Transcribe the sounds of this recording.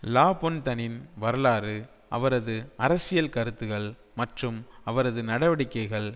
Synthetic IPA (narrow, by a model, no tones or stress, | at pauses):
laːpɔnt̪ɐnɪnʋɐɾɐlaːɾɯ | ʔɐ̰ʋɐɾɐðɯɐɾɐsɪjɐlkɐɾɯt̪ːɯɣɐɭ | mɐʈrɯmɐʋɐɾɐðɯnɐɽɐʋɐɽɪkːɐɪɣɐɭ